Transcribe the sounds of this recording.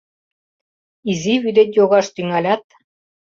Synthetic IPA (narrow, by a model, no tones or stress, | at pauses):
iziβyd̪et̪ʲjoɣɑʃt̪yŋælʲæt̪̚